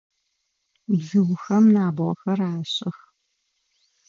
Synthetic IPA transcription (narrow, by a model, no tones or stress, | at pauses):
ɮɨwxɐmnaːbʁɔxɐraːɕʼɪx